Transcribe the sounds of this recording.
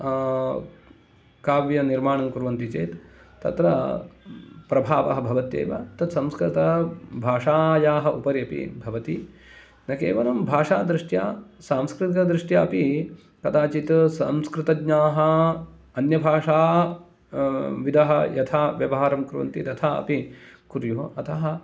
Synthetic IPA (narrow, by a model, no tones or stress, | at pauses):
kaːʋjɐniɾmaːɳɐmkuɾʋɐnt̪it͡ʃḛːt̪ | t̪ɐ̰t̪ɾɐ | pɾɐbʱaːʋɐ̰ɦɐbʱɐʋɐt̪ḛːʋɐ̰t̪ɐt̪sɐmskɾɪt̪ɐbʱaːʂaːjaːɦɐʔupɐɾjɐpḭbʱɐʋɐt̪i | nɐkḛːʋɐnɐmbʱaːʂaːd̪ɾɪʂʈjaːsaːmskɾɪt̪ikɐd̪ɾiʂʈjaːɐpi | kɐt̪aːt͡ʃit̪sɐ̰mskɾɪt̪ɐɡɲaːɦɐ̆ | ɐnjɐbʱaːʂaː | ʋid̪ɐɦɐjɐt̪ʰaːʋjɐʋɐɦaːɾɐmkuɾʋɐ̰nt̪it̪ɐt̪ʰaːɐ̰pikuɾjuɦɐt̪ʰɐɦɐ